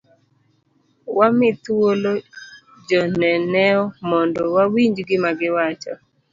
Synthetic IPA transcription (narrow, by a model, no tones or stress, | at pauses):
wamɪt̪wolo | d͡ʒɔnɛnɛɔmɔndɔwawiɲd͡ʒɡɪmaɡɪwat͡ʃɔ